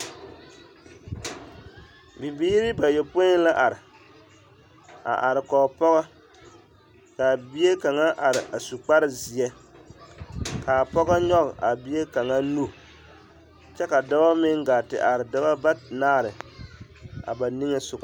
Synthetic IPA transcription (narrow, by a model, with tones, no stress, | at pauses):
bi˨biː˦ɾi˦ba˨je˨pʊ˦la˦ʔa˨ɾɪ˨ | a̰˨ʔa˨ɾɪ˨kɔː˨pɔ˦ɣa˦ | ka˨bi˦e˦ka˨ŋa˦ʔa˨ɾɪ˨ʔa˨su˨k͡pa˦ɾɪ˦zi˨ɛ˦ | ka˨pɔ˦ɣa˦ɲɔ˦ɣɪ˨ʔa˨bi˦e˦ka˨ŋa˦nu˦˨ | t͡ʃɛ˦ka˨da˦ba˦mɪ˦ŋɡa˨tɪ̰˨ʔa˨ɾɪ˨da˦ba˦ba˦naː˦˨ɾɪ˨ | a̰˨ba˨ni˦ŋɛ˦sʊ˨k